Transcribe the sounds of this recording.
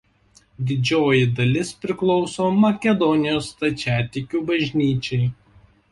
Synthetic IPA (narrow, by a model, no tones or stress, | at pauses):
d̪ʲɪd͡ʒʲoːjɪd̪ɐlʲɪspʲɾʲɪklˠɒʊsoːmɐkʲɛd̪ɔnʲɪjoːst̪ɐt͡ʃʲæːt̪ʲɪkʲuːbɐʒʲnʲiːt͡ʃʲɛɪ